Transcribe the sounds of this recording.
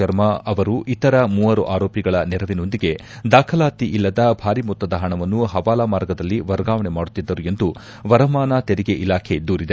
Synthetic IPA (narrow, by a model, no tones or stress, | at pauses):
ɐɾmɐɐʋɐɾuʔit̪ɐɾɐmuːɐɾuʔaːɾoːpiɡɐɭɐnɛɾɐʋino̞nd̪iɡe̞ | d̪aːkʰɐlaːt̪iʔilːɐd̪ɐbʱaːɾimɔt̪ːɐd̪ɐɦɐɳɐʋɐnːuɦɐʋaːlaːmaːɾɡɐd̪ɐlːiʋɐɾɡaːʋɐɳemaːɽut̪ːid̪ːɐɾue̞nd̪u | ʋɐɾɐmaːnɐt̪eɾiɡe̞ʔilaːkʰe̞d̪uːɾid̪e